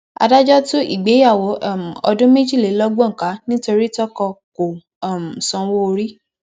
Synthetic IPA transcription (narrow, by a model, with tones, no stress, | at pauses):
a̰˧da˦d͡ʒɔ˦tu˦ʔḭ˦˨ɡ͡be˨˦ja˦˨wo˨˦˨m˨ɔ˧dũ˦me˦d͡ʒi˦˨le˨˦lɔ˦ɡ͡bɔ̃˦ŋ̩˨ka˨˦nĩ˦to˧ɾi˦tɔ˦kɔ˧ko˨ | m˨sɔ̃˧wo˦o˧ɾi˦